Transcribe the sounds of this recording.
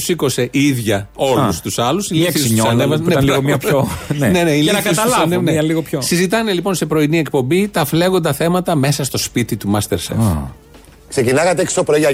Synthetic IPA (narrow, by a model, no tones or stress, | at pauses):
u̥siko̞se̞ʔiiðʝɐo̞lust̪usɐlusiliθssussɐnevɐsnneponne̞neilɐkɐst̪ɐlɐneneliɣopçosizit̪ɐne̞lipo̞nse̞pɾo̞inie̞kpo̞mbit̪ɐfle̞ɣo̞nd̪ɐθe̞mɐt̪ɐme̞sɐst̪o̞spit̪it̪umɐst̪eɾsḛf | ksecinɐɣɐt̪eeki̥st̪opɾoʝɐ